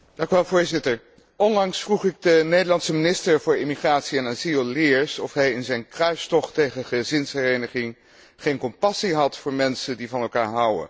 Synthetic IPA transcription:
d̥ɑ̃ŋkyʋɛlˠvʊːɹzɪtəɹ | ɔnlɑŋsfruχɪɡ̚dənejdəlɑnsəminɪstəɹvʊːɹɪmiχraːtsiɛnaːzillɪɹsɔfɦɛjɪnzɛjnkrœɥstɔχtejχəχəzɪnshɛrejnəχɪŋ | χejnkɔmpɑsiɦɑtfʊːɹmɛnsəndivɑnɛlˠkaːɹɦʌwə̰

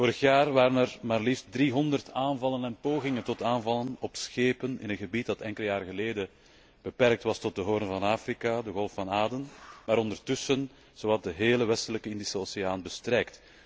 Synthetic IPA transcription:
voːɾəxjaːrʋaːɾənɛrmaːrlift̚driɦɔndərtaːnvɑlənɛnpoːɣɪŋəntɔtaːnvɑlənɔpsxeːpənɪ̰nənɣəbit̚dɑtɛŋkəlˠəjaːrɣəleːdə | b̥əpɛrk̚tʋɑstɔt̚dəɦoːɾənvɑnaːfrikadəɣɔlˠffɑnaːdənmaːɾɔndərtʏsən | z̥oːɑt̚dəɦeːləʋɛstələkəɪndisəoːseaːnbəstrɛjkt

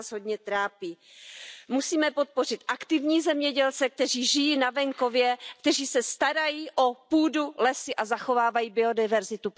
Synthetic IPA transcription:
zɦo̞dɲɛt̪ɾaːpiː | musiːmɛpo̞t̪̚po̞r̝ɪt̪ʔakt̪ɪvɲiːzɛmɲɛɟɛlt͡sɛk̚t̪ɛr̝iːʒɪjiːnavɛŋko̞vjɛk̚t̪ɛriːsɛst̪aɾajiːʔo̞puːdulɛsɪʔazaxo̞vaːvajiːbɪo̞dɪvɛɾzɪt̪u

